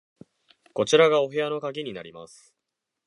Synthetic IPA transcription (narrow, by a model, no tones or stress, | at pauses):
ko̞t͡ɕiɾaɡao̞ɦe̞jano̞kaɡʲiɲ̟ina̰ɾʲima̰sɨ̥